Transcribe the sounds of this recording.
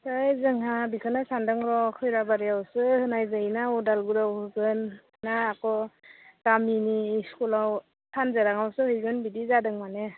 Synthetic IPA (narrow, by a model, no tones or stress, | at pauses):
hɯjzɯŋɦabikʰɯnasandɯŋɾɔkʰɯjɾabaɾijawsɯhɯnajzanaɔdalɡuɾawhɯɡɯnː | aːkɔɡ̥aminiskulaw | tʰanzeɾaŋawsɯhɯjɡɯnbidizadɯŋmane